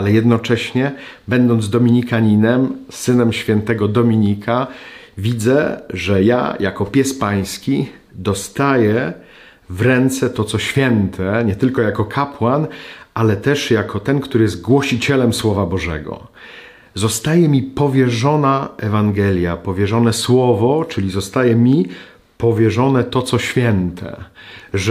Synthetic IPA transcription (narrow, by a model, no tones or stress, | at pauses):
alɛjɛd̪nɔt͡ʂɛɕɲɛ | bɛnd̪ɔnd̪zd̪ɔmʲiɲikaɲinɛmsɘnɛmɕfʲjɛnt̪ɛɡɔd̪ɔmʲiɲikʰa | vʲid̪zɛʐɛja̰jakɔpʲjɛspaj̃skʲi | d̪ɔst̪ajɛ | vɾɛnt̪sɛt̪ɔt̪sɔɕfʲjɛnt̪ʰɛɲɛt̪ɘlkɔjakɔkʰapwanʔalɛt̪ɛʂjakʰɔt̪ɛnkt̪uɾɘjɛzt̪ɡwɔɕit͡ɕɛlɛmswɔvabɔʐɛ̰ɡɔ̰ | zɔst̪ajɛmʲipɔvʲjɛʐɔnaɛvaŋɡɛlʲjapɔvʲjɛʐɔnɛswɔvɔt͡ʂɘlʲizɔst̪ajɛmʲi | pɔvʲjɛʐɔnɛt̪ɔt̪sɔɕfʲjɛnt̪ʰɛ̰ʐ